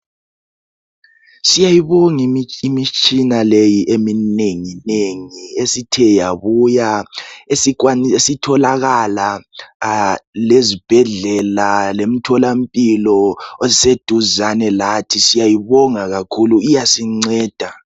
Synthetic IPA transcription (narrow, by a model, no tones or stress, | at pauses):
sijajiβɔŋiimit͡ʃʼinalejiʔemineŋineŋiesitʰɛjaβujaesikwanesitʰɔlaɣala | lezib̥ʱɛɮɛlalem̩tʰɔlam̩pʼilɔozised̥ʱuzanɛlatʰisijajiβɔŋaɣakʰuluijasiŋ͡ǀɛːd̥ʱa